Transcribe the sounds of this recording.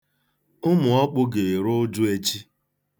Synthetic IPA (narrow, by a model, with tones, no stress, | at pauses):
ʊ˦mʊ˨ɔ˦k͡pʊ˦ɡe˨ɾʊ˦dʊ˦e˦t͡ʃi˦